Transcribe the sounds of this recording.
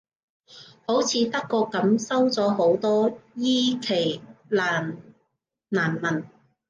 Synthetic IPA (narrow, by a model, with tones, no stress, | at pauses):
ho˨˥wt͡sʰiː˨˧t̪ɐ˥kːɔː˧kɐ˨˥msɐ˥wt͡sɔː˨˥ho˨˥wt̪ɔː˥jiː˥kʰe˨˩jlaː˨˩n | naː˨˩nmɐ˨˩n